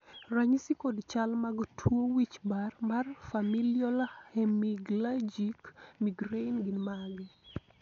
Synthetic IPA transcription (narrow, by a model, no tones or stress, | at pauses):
raɲisikodt͡ʃalmaɡtʰwowit͡ʃbarmarfamiljɔlahɛmiɡlad͡ʒikmiɡɾeinɡinmaɡɛ